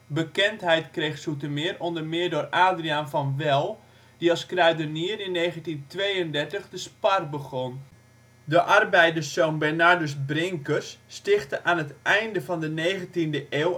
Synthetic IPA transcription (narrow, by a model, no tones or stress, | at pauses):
bəkɛntɦɛjtkrejxsutəmɪːrondərmɪərdʊːraːdrianfɔnʋɛlˠ | diɑlˠskrɛɥdərniərɪnːeːɣəntintʋejəndɛrtəχdəsparbəɣɔn | dəʔarbɛjdərsoːnbɛrnardəs̬brɪŋkəsːtɪxtəʔaːnətʔɛjndəvɔndəneːɣəntindəʔeːw